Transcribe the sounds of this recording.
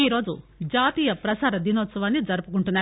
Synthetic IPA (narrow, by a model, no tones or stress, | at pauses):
iːɾo̞ːd͡ʒud͡ʒaːt̪iːjɐpɾɐsaːɾɐd̪inoːt̪sɐʋaːnːid͡ʒɐɾupukuɳʈunːaː